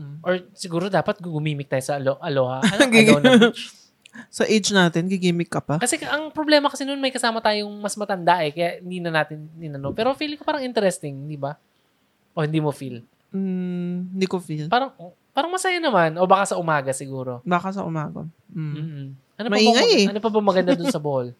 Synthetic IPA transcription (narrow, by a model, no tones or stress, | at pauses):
ʔʔoɹsɪɡuːɾo̞d̪aːpɐt̪̚ɡʊɡʊmiːmɪk̚t̪aːjosɐloʔɐlohɐɐnoɡinɐ | sɐʔed͡ʒnaːt̪ɪnɡɪɡiːmɪkːɐpɐkɐsɛʔɐŋpɾoblɛːmɐkɐsɛnonmɐjkɐsaːmɐt̪aːjoŋmɐsmɐt̪ɐnd̪aʔɛkɐjaʔhɪnd̪iːnɐnaːt̪ɪnːɪnɐnopɛːɾo̞fiːlɪŋkopaːɾɐŋʔɪnt̪ɛɾɛst̪ɪŋd̪ibɐ | ʔohɪnd̪iːmofil̩ː | nd̪iːkofilpaːɾɐŋo | paːɾɐŋmɐsajanɐmanʔo̞baːkasɐʔʊmaːɡɐsɪɡuːɾo̞baːkasɐʔʊmaːɡɐ̰ | m̩ː | ʔɐnomɐʔiɐŋɐjɛɐnopɐbɐmɐɡɐnd̪ad̪ʊnsɐbohol